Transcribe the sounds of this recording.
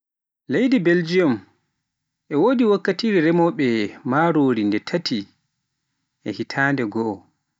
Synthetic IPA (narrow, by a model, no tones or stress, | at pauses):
lejdibeld͡ʒijɔm | ʔɛwoːdiwakːatiːɾɛɾɛmɔɓɛmaɾoːɾindɛtʰatʰi | ʔɛhitʰaːndɛɡɔʔː